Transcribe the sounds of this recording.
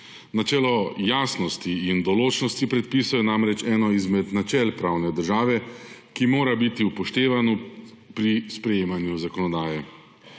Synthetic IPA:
nat͡ʃɛːlɔjaːsnɔst̪iːnd̪ɔloːt͡ʃnɔst̪ipɾɛt̪̚piːsɔwjɛnamɾɛt͡ʃɛːnɔizmɛd̪nat͡ʃɛlpɾaːwnɛd̪əɾʒaːʋɛkimoːɾabit̪iupɔʃt̪eːʋanɔ | pɾispɾɛjeːmanjuzakɔnɔd̪aːjɛ

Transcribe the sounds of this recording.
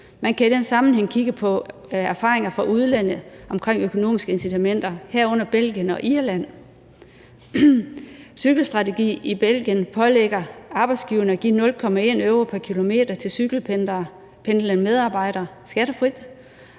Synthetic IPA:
mænkʰæid̥ensɑ̈mn̩ɦeŋ̰kʰiɡ̥əpʰɒ̽ | æɐfɑ̈ːʁeŋɐfɒ̽ʔuð̞ˠlen̰əʔɒ̽mkʰʁeŋ̰økʰo̝no̝̰ːmisɡ̥əe̝nsit͡sʰæmen̰d̥ɐhæɐ̰ɔ̽n̰ɐb̥el̰ɡ̥jənɒ̽ʔiɐlæn̰ | syɡ̥l̩sd̥ʁɑ̈t͡sʰe̝ɡ̥ḭːib̥el̰ɡ̥jənpʰɒ̽leɡ̥ɐɑ̈b̥ɪdsɡ̥iːʊɐnəɒɡ̥ḭːnɔ̽lkʰɒ̽mæe̝ːnøʊʁopʰæɐkʰilo̝me̝̰ːd̥ɐt͡sʰe̝syɡ̥l̩ | pʰend̥lænmeð̞ˠɑ̈ːb̥ɑ̈ɪ̰ɾ̥ɐsɡ̥æɾ̥əfʁid̥

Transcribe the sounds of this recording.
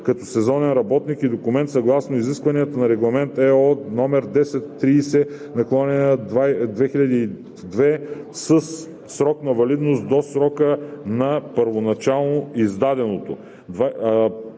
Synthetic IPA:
kɐt̪ɔsɛzɔnɛnɾɐbɔt̪nikid̪okʊmɛnt̪sɐɡlˠasnoiziskvɐniət̪ənɐɾɛɡlˠɐmɛnt̪ɛɔnɔmɛɾd̪ɛsɛt̪ːɾiːsɛnɐklˠɔnɛnəad̪vɛxiʎʲɐd̪iː | d̪vɛ | səsː | ɾɔknɐvɐlid̪nost̪d̪osɾɔkənɐpəɾvonɐt͡ʃalˠnoizd̪ad̪ɛnot̪o | d̪va

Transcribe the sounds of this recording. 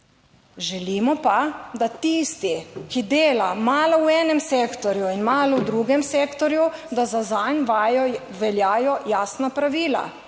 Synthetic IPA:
ʒɛliːmɔpad̪at̪iːst̪ikid̪eːlamaːlɔwɛːnɛmseːkt̪ɔɾjuinmaːlɔwd̪ɾuːɡɛmsekt̪ɔɾjud̪azazanjɔ | ʋɛljaːjɔjaːsnapɾaʋiːla̰

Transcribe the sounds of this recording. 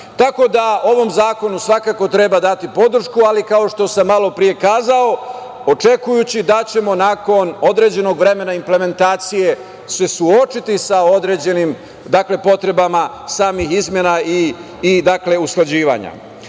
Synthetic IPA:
t̪ako̞d̪ao̞ʋo̞mzaːko̞nusʋakako̞t̪ɾe̞bad̪at̪ipo̞d̪r̩ʃkualikao̞ʃt̪o̞samːalo̞pɾije̞kaːzao̞ | ot͡ʃe̞kujut͡ɕid̪at͡ɕe̞mo̞naːko̞no̞d̪ɾe̞d͡ʑe̞no̞ɡʋɾe̞me̞naimple̞me̞nt̪aːt̪sije̞ | se̞suo̞t͡ʃit̪isao̞d̪ɾed͡ʑe̞nim | d̪akle̞po̞t̪ɾe̞bama | saːmixizmje̞naiː | d̪akle̞usklˠad͡ʑiːʋa̰ɲa̰

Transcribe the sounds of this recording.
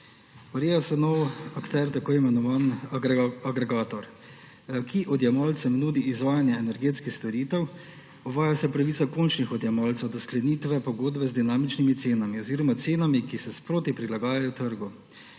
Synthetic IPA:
ɔɾeːjasɛnowakt̪ɛɾt̪akoːimɛnɔʋan | aɡɾɛɡaːt̪ɔɾ | kʰiʔɔd̪jamɔlt̪sɛmnuːd̪iːzʋaːjanjaɛnɛɾɡeːt̪skixst̪oɾiːt̪ɛw | ɔʋaːjasɛpɾaʋit̪sakont͡ʃnixɔd̪jamɔlt̪sɛwd̪ɔsklɛniːt̪ʋɛpɔɡoːd̪bɛzd̪inaːmit͡ʃnimit̪seːnamiɔziːɾɔmat̪seːnamikisɛspɾoːt̪ipɾilaɡaːjajɔt̪əɾɡu

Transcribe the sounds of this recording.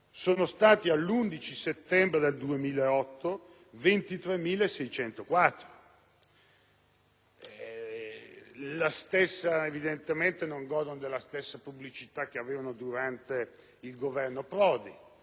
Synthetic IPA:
soːnost̪aːt̪ialːund̪it͡ʃiset̪ːɛmbɾed̪eld̪uemiːlaeɔt̪ːo | vent̪it̪ɾemːiːlaesɛjt͡ʃɛnt̪okwat̪ːɾo | ɛ | last̪esːaevid̪ent̪ement̪enoŋɡɔːd̪onod̪elːast̪esːapublit͡ʃit̪ak̟ːeaveːvanod̪uɾant̪e | ilɡovɛrnopɾɔːd̪i

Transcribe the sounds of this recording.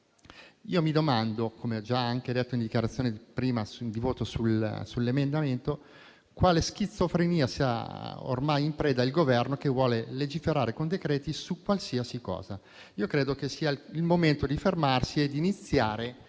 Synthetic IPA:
iːomid̪omand̪okomeɔd͡ʒaaŋked̪et̪ːoind̪ikjaɾat̪sːjoːnepɾiːmad̪ivoːt̪osulsulːemend̪ament̪o | kwaːlesk̟it̪sːofɾeniːasia̰o̰rmajimpɾɛːd̪ailɡovɛrnokevwɔːleled͡ʒifeɾaːɾekond̪ekɾeːt̪isukːwalsiasikɔ̰ːza | iːokɾeːd̪okesiːailmoment̪od̪ifermarsied̪init̪sːjaːɾe

